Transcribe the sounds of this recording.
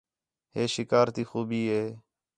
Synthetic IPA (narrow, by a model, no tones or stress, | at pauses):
heːʃɪkaːɾt̪iːxuːbiːɦeː